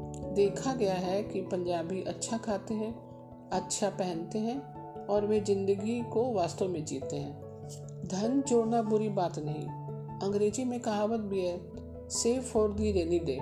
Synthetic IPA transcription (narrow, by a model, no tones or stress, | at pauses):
d̪eːkʰaɡɐjaɦɛkipɐ̃ɲd͡ʒaːbiʔɐtːʃʰakʰaːt̪eɦɛ̃ | ɐtːʃʰapɛɦənt̪eɦɛ̃ | ɔːɾʋezɪ̃nd̪əɡikoʋaːst̪õmẽd͡ʒiːt̪eɦɛ̃ː | d̪ʱɐnd͡ʒoːɽnabʊɾibaːt̪nɐɦḭ̃ | ɐ̃ŋɡɾeːzimẽkaɦãwət̪̚bʱiɦɛ | seːfɔːɾd̪iɾeːnid̪ḛː